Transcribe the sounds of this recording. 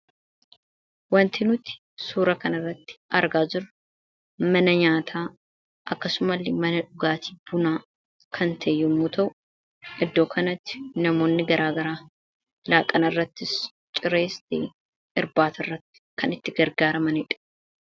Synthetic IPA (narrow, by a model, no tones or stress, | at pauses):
wɐnt̪ɪnʊt̪ɪ̥ | suːɾɐkɐnɐrːɐt̪ːɪ̥ʔɐɾɡaːd͡ʒɪɾʊ | mɐnɐɲaːt̪ʰaː | ʔɐkːɐsʊmɐlːɪmɐnɐᶑʊɡaːt̪ʰi̥ːb̥ʊnaː | kʰɐnt̪ʰejːɛmːuːt̪ʰɐʔʊ | ʔɪd̪ːo̞ːkʰɐnɐt̪ːɪ̥nɐmo̞ːnːɪɡɐɾʔaːɡɐɾaː | laːkʼɐnɐrːɐt̪ːɪs | t͡ʃʼɪɾeːst̪ḛː | ɪɾbaːt̪ɐrːɐt̪ːɪ̥kɐnɪt̪ːɪɡɐɾɡaːɾɐmɐnɪᶑɐ̥